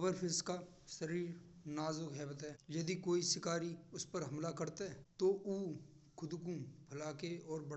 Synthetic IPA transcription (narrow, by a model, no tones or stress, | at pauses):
bəɾpʰɪska | səɾiːɾnaːzʊkɦɛːbət̪ɦɛːjɐd̪ikoːisɪkaːɾiʊspəɾɦɐmlakɐɾt̪eɦɛt̪oʔuː | kʰʊd̪k̬ũpʰɐlaːkeɔːɾbɐɽ